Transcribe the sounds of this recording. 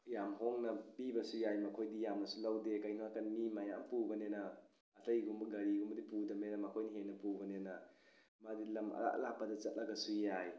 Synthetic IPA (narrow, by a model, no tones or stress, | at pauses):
jamɦoŋnɐbibɐsujajmɐkʰojdijamɐsulawdekajnoakɐnmimajaŋpubɐnenɐː | tɐjɡumbɐɡɐɾiɡumbɐdipudɐmenɐmɐkʰojniɦenːɐpubɐnenɐ | madilɐma̰a̰lapːɐdɐt͡ʃɐt̚lɐɡɐsujaj